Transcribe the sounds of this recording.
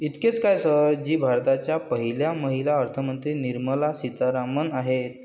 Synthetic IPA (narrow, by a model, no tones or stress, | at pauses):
it̪ket͡skajsəd͡ʑiːbʱaɾt̪at͡ɕjapəɦiljaməɦilaəɾt̪ʰəmənt̪ɾiːniɾməlasit̪aɾamənaɦet̪̚